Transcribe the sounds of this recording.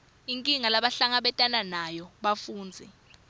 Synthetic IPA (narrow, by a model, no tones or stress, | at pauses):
iŋkʼiŋalaɓaɬaŋaɓɛtʼananajɔɓafuːnd͡zʱi